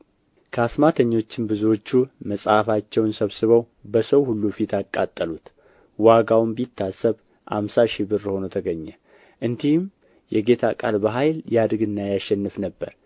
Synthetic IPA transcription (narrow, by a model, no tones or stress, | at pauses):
kʰəasmat̪ʰəɲːo̞t͡ʃːɪnbɨzuwo̞t͡ʃːuməsʼhafat͡ʃːɛwnsəβsɨβəw | bəsəwhulːufit̪ʰakʼːat̪ʼːəlut̪ | waɡawmbit̪ʰːasːəβ | ha̰msaʃibɨɾho̞not̪ʰəɡəɲːɛ | ʔɨnd̪ihm | jɛɡe̞t̪ʰakʼalbəɦajljad̪ɨɡɨnːajaʃɛnːɨfnəbːə̰ɾ